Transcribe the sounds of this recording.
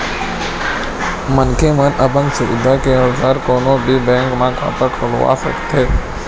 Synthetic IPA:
mənkʰemənʔəbə̃ŋɡsʊʋɪd̪ʱakeəlzaːɾkoːnõːbʱiːbɛ̃ːŋkmãːkʰa̰ːp̪əkʰəlo̰a̰sə̰kt̪ʰeː

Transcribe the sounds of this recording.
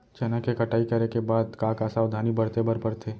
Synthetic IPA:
t͡ʃɛːnakekɐʈaːikɐɾekebaːd̪kaːkaːsaːwd̪ʱaːnibɐɽt̪ebəɾbəɾt̪ʰeː

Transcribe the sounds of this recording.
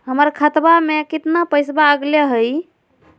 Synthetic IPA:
ɦəməɾkʰət̪bamekit̪napəjsbaəɡleɦəj

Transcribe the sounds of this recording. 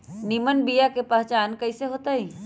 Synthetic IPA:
nimənbijakepəɦt͡ʃaːnkɐiseɦoːt̪aɦiː

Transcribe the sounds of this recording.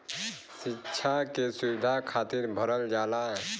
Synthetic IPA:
sitːʃʰakesuwɪd̪ʱakʰaːt̪iɾbʱəɾəld͡ʒaːla

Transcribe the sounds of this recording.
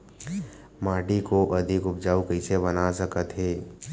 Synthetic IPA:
maːɖikoʔɐd̪ʱɪkʊpd͡ʒaːukəɪsebənasəkət̪ɦeː

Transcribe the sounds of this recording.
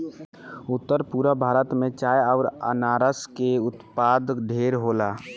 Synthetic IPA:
ʊt̪ːəɾpuɾəbʱaːɾət̪mẽt͡ʃaːjəʊɾə̰naːɾəskeʊt̪paːd̪ɖʱeːɾɦola

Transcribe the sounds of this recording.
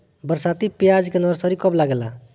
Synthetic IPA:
bəɾsat̪ipijad͡ʒkenəɾsɔɾikɔblaɡela

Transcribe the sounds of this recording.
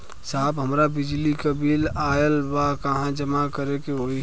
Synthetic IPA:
saːbɦəmɾabɪd͡ʒlikəbiːlaːjəlbakəɦãd͡ʒəmakəɾekeɦoi

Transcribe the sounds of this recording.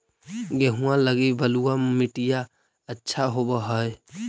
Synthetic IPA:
ɡeɦũãləɡibəluamɪʈija | ətːʃʰaɦobaɦəe

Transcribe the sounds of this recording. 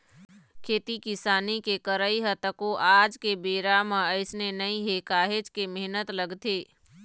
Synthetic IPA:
kʰeːt̪ikɪsaːnikekəɾəiɦət̪əkoʔaːd͡ʒkebeːɾamə̃əɪsnenəĩɦekaːɦed͡ʒkemeɦnət̪ləɡt̪eː

